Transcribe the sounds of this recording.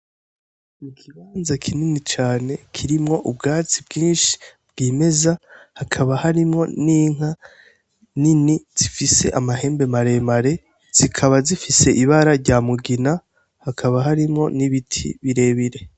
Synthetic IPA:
ikʰiβaːnzakʰininit͡ʃaːne̞kʰiɾimŋo̞ʔubɡaːt͡sib̚ɡiːnʃi̥b̚ɡ̥iːme̞zahakʰaβahaɾimŋo̞niːŋ̥a | niniz̥ifise̞̰ʔamaɦe̞ːmbe̞maɾe̞maɾe̞ | z̥ikʰaβazifise̞ʔiβaɾaɾɟaːmuɡina | hakʰaβaɦaɾimŋo̞niβitʰḭβiɾe̞ːβiɾe̞

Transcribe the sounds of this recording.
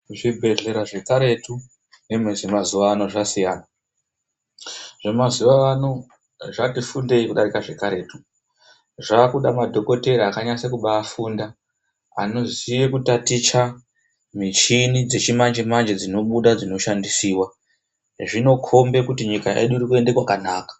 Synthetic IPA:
ʐibʱe̞ɮe̞ɾaʐe̞kaɾe̞tu | ne̞mwezemazuʋaːno̞ʐasijaːna | ʐemazuʋaano̞ | ʐatifunde̞ikuɗaɾikaʐe̞kaɾe̞ːtu | ʐaːkuɗamadʱo̞ko̞te̞ɾiakaɲasekuɓaːfunda | a̰no̞zijekutatit͡ʃa | mit͡ʃinid͡ze̞t͡ʃimand͡ʒemand͡ʒed͡zino̞ɓuɗad͡zino̞ʃandisiːwa | ʐino̞kʰo̞mbe̞kutiɲikaʔe̞̰ɗurikue̞nde̞kwakanaːkḁ

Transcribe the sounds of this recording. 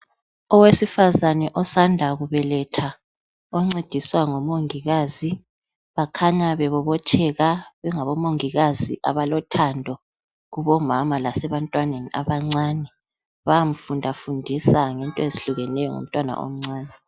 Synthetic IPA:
ɔwesifazanɛʔɔsandʱaɣuβɛlɛtʰa | ɔŋ͡ǀed̥ʱiswaŋomoŋiɣaːzi | βakʰaɲaβɛβɔβɔt͡ʃʰɛɣaβɛŋaβɔmoŋiɣazḭʔa̰βalɔtʰandʱɔ | ɣuβɔmamalasɛβantʼwanenia̰βaŋ͡ǀaːnɛ | βajam̩fundʱafundʱisaŋɛntʼɔeziɬuɣɛnɛjɔŋo̰m̩tʼwana̰ʔo̰m̩ŋ͡ǀaːnɛ

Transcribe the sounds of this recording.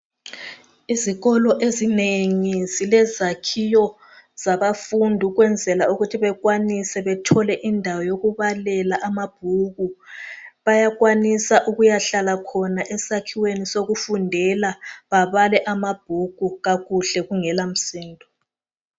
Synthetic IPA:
iziɣɔlɔʔezineŋizilɛzakʰijɔ | z̥aβafundʱuɣwɛnd͡zʱɛlauɣutʰiβɛɣwanisɛβɛtʰɔlɛʔindʱawɔjoɣuβalɛlaʔamab̥̚ʱuɣu | βajaɣwanisaʔuɣujaɬalakʰɔnaʔɛsakʰiwenisoɣufundʱɛlaβaβalɛʔamab̥̚ʱuɣ̥ʱuɣaɣuɬɛɣuŋɛlam̩siːndʱɔ

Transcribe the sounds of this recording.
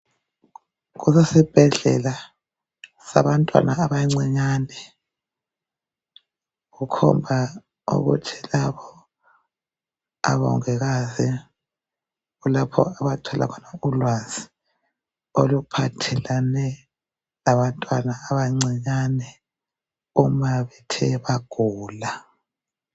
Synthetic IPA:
ɣusesib̥ʱɛɮɛ̰la | saβantʼwa̰nʔaːβajiŋ͡ǀiɲaːnɛ | ɣukʰɔ̰mbʱa | ṵɣṵtʰilaβɔ | a̰βɔ̰ŋɛɣazi | ɣulapʰɔ̰aβatʰɔla̰kʰɔnaulwazi̥ | olupʰatʰɛlanɛ | laβantʼwanaːβajiŋ͡ǀiɲanɛ | umaβɛtʰɛβaɡ̥ʱuːla

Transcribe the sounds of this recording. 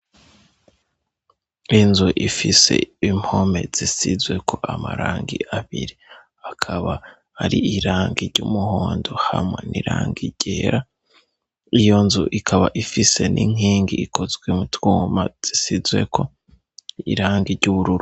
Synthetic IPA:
inzuʔifise̞im̥home̞z̥isizwe̞kʰo̞ʔamaɾaːŋɡiʔaβiɾi | akʰaβa | aɾiiɾaːŋɡiɾɟumuhoːndohamŋe̞niɾaːŋɡiɟeːɾa | ijo̞nzuʔikʰaβaʔifise̞nʔiŋ̥iːŋɡiːkʰo̞zɡwemutuːmaz̥isizwe̞̰kʰo̞ | ḭɾaːŋɡiɾɟuβuɾuɾu

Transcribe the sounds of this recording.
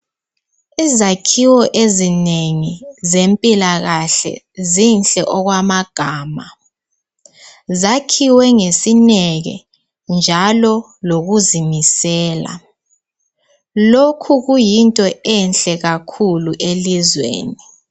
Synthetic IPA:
izakʰiwɔʔezineŋizempʼilaɣaɬɛ̰ | zinɬʼɛʔɔɣwamaɡ̥ʱaːma | zakʰiwɛŋesinɛɣɛ̰ | nd͡ʒʱalɔ | loɣuzimisɛːla̰ | lokʰuɣujintʼɔɛnɬʼɛɣakʰuluʔelizwḛːni

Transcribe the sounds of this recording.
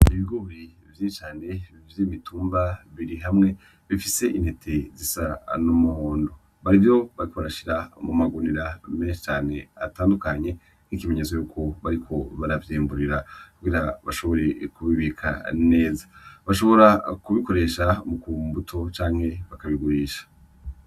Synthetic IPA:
iβiɡoɾi | vjit͡ʃaːne̞ | vjiβituːmbaβiɾiɦamŋe̞ | βifise̞ʔinhetʰe̞zisanumuhoːndo | βaɾivjo̞βaɾiko̞βaɾaʃiɾamumaɡuniɾameːnʃit͡ʃaːne̞a̰taːndukaɲe̞ | nikime̞ɲezo̞juːkʰo̞βaɾikʰo̞βaɾavjiːmbuɾiɾakuɡiɾaβaʃo̞βo̞ɾe̞kuβiβikʰa̰ne̞ːzḁβaʃo̞βo̞ɾakuβiko̞ɾe̞ʃamukumbutʰo̞t͡ʃaːŋhe̞βakaβiɡuɾiːʃḁ

